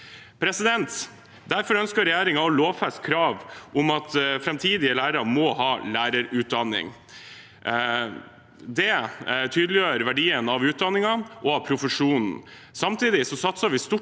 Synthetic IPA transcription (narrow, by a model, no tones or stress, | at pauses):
pʰɾɛsɪd̪ɛnt̪ | d̪æɾfɔɾœnskəɾɛjæːɾɪŋɑɔloːʋfɛst̪̚kʰɾɑːʋʔʊmɑt̪fɾɛmt̪ʰiːd̪ɪəlæːɾɑmɔhɑːlæːɾəɾʉːt̪̚d̪ɑnːɪ̰ŋ | d̪ɛt̪ʰyːd̪lɪjøːɾʋæɖiːənɑʋʉːt̪̚d̪ɑnːɪŋɑʔɔɑʋpʰɾʊfəʂuːnn̩ | sɑmt̪ʰiːd̪ɪsɔsɑt̪sɑʋɪst̪ʊ